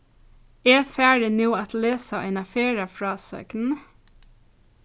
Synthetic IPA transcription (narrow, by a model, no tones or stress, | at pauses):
ɛːfæːɹɪnuːɑt̪leːsaʔɛ̰ɪnɑfeːɹɑfɹɑːsœ̰kn̩